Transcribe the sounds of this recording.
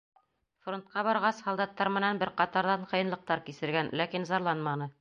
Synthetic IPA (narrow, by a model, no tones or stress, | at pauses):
front̪̚qɑbɒɾʁɑshɒlˠd̪ɑt̪ːɑɾmɘ̆nænbɘɾqɑt̪ɑɾðɑɴqɤ̆jɤ̆nlˠɤ̆q̚t̪ɑɾkisɘ̆ɾɡænlækinzɑɾlˠɑnmɑnɤ